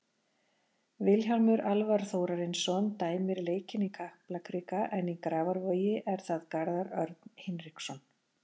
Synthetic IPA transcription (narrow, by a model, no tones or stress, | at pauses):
vɪlçalmʏɾalvaɾ̥θoːwɾaɾɪnsɔnt̪aːjmɪɾleːjcɪnikʰahplakʰɾiːkaʔɛnikɾaːvaɾvœːjɪʔɛɾ̥θaðkaɾðaɾœɾt̪n̥hɪnɾɪksɔn